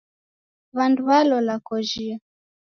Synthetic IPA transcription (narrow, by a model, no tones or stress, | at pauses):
βandualɔlakɔʒia